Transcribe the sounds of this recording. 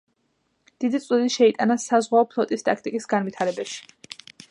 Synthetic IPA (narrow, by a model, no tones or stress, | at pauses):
d̪̥id̪it̪sʼud̪iʃɛit̪ʼanasazʁwaɔpʰlˠɔt̪ʼist̪ʼak̚ʰt̪ʼikʼisɡanvit̪ʰaɾɛbaʃi̥